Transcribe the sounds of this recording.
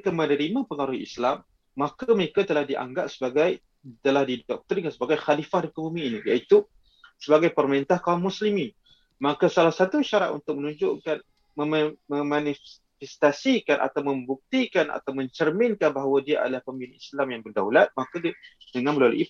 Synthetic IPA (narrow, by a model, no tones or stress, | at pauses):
kanmənəɾimãpəŋaɾʊḭslamː | akaməɾekat̪əlahdiʔa̰ŋɡaʔ̚səbaɡaj | t̪əlahdidɔk̚t̪əɾiŋansəbaɡajxalifahdakəbumĩːnijait̪u | səbaɡajpərməɾint̪ahkauŋmuslimɪn | makasalahsat̪uiʃaɾa̰ʔ̪ṵnt̪ʊk̚mənuɲd͡ʒʊʔkan | məmməmani | fɛst̪asikanʔa̰t̪awmə̃mbuk̚t̪ikana̰t̪awmə̃ɲt͡ʃərmɪnkanbaɦawadiaʔa̰dalahpəmbinislamjaŋbərdaulat̪̚makadidəŋanməlalṵʔi